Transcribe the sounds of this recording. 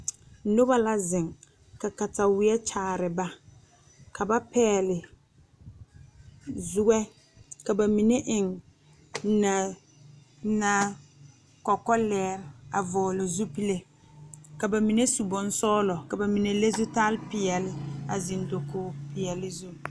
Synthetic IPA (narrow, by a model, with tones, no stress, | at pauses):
nʊ˦ba˦la˦zɪ˨ŋ | ka˨ka˨ta˨wɪ˨ɛ˦t͡ʃaː˨ɾɪ˨ba˦ | kʰa˨ba˦pɛː˦lɪ˨ | zʊ˦ɡɛ˦ | ka˨ba˨mi˨ne˦ʔɪ˨ŋ | na˨ | na˦ | kɔ˨kːɔ˦lɛː˦ɾɪ˨a˨vɔː˨lo˨zu˦pi˦le˦ | ka˨ba˨mi˨ne˦su˨bɔ˨n˦sɔː˦lɔ˨ka˨ba˨mi˨ne˨le˦zu˦taː˦lpɪ˨jɛ˨lɪ˦a˨zɪ˨ndo˨koː˦pɪ˨jɛ˨lɪ˦zu˦